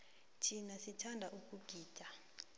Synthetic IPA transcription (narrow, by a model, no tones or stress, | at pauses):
tʰinasitʰandʱaʔuk̬ʼuɡ̥ʱiːd̥d̥ʱa